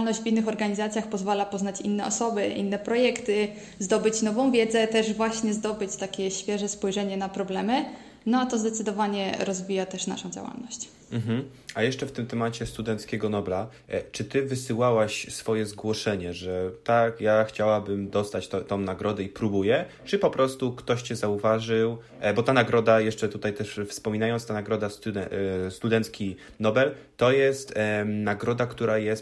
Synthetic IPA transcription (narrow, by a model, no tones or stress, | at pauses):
lnɔʑd͡ʑvʲinːɘxɔɾɡaɲizat̪sʲjaxpɔzvalapɔznat͡ɕinːɛʔɔ̰sɔbɘʔḭnːɛpɾɔjɛkt̪ɘ | zd̪ɔbɘt͡ɕnɔvɔ̃w̃vʲjɛd̪zɛt̪ɛʐvwaɕɲɛzd̪ɔbɘt͡ɕt̪akʲɛɕfʲjɛʐɛspɔjʐɛɲɛnapɾɔblɛmɘ | nɔat̪ɔzd̪ɛt̪sɘd̪ɔvaɲɛɾɔzvʲijat̪ɛʂna̰ʂɔ̃w̃d͡ʑa̰wa̰lnɔɕt͡ɕ | m̩ɦm̩ | ajɛʂt͡ʂɛft̪ɘmt̪ɛmat͡ɕɛst̪ud̪ɛnt̪skʲɛɡɔnɔbla | t͡ʂɘt̪ɘvɘsɘwawaɕsfɔjɛzɡwɔʂɛɲɛʐɛt̪akjaxt͡ɕawabɘmd̪ɔst̪at͡ɕt̪ɔt̪ɔ̃w̃naɡɾɔd̪ɛipɾubujɛ | t͡ʂɘpɔpɾɔst̪ukt̪ɔɕt͡ɕɛzauvaʐɘw | bɔt̪anaɡɾɔd̪ajɛʂt͡ʂɛt̪ut̪ajt̪ɛʂfspɔmʲinajɔnst̪anaɡɾɔd̪ast̪ɛst̪ud̪ɛnt̪skʲi | nɔbɛlt̪ɔjɛst̪naɡɾɔd̪akt̪uɾajɛs